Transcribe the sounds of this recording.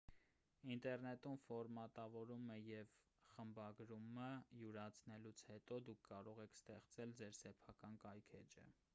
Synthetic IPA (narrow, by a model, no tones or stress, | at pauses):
int̪ɛrnɛt̪umfɔɾmɑt̪ɑvɔɾuməjɛv | χəmbɑɡɾuməjuɾɑt͡sʰnɛlut͡sʰhɛt̪ɔd̪ukʰːɑɾɔʁɛkʰst̪ɛχt͡sɛld͡zɛɾsɛpʰɑkɑnkɑjkʰɛd͡ʒə̰